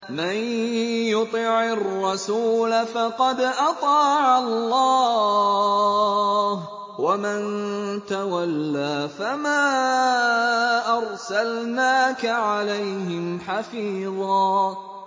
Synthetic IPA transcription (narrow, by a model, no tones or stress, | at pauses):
manjʊt̪ˤiʕɪrˤːɑsuːlafɑqɑd̪ʔɑt̪ˤɑːʕalːɑː | h | wamant̪awalːaːfamaː | ʔɑɾˤsalnaːkaʕalajhɪmħafiːðˤɑː